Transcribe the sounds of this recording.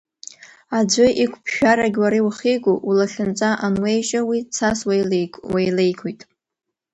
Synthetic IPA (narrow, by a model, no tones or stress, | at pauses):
ad͡ʒʷʊʔikʷʰpʰʃᶣaɾaɡʲwaɾiwχiɡʷuulaχʲɪnt͡sʼaʔanwejʃʼawit͡sʰaswejlwejle̞jkʷʰojtʼ